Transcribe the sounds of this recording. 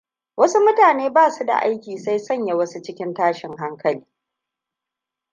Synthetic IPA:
wʔɐ˦su˦mʊ˦taː˨neː˦baː˦˨su˦da̰˨ʔa̰˦jkʲiː˨sa˦jsɐ˦˨ɲja˨wɐ˦su˦t͡ʃɪ˦kʲɪ˦ntaː˦ʃɪ˨ŋɦa˦ŋkɐ˨liː˦

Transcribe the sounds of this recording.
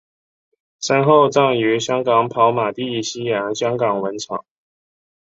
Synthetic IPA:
ʂa˥nxo˥˩˧ʊt͡sɑ˥˩ŋy˧˥ɕjɑ˥ŋkɑ˨˥ŋpʰɑ˧˥ʊma˨˩t̪i˥˧˨ɕi˥jɑ˧˥ŋɕjɑ˥ŋkɑ˨˩ŋwə˧˦˥nt͡sʰɑ̰˨˦ŋ

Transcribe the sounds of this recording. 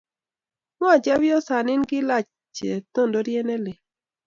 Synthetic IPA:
mɔ˦a˨d͡ʒa˦wjɔ˦sa˨nɪ˦nɡɪ˦la˦˨t͡ʃ | t͡ʃe˨t̪o˦ndo˨˦ɾjɛ˦nɛ˦lɪ˨

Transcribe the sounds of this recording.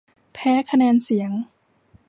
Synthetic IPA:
pʰɛː˦˥kʰa˧nɛː˧nsi˩˦əŋ

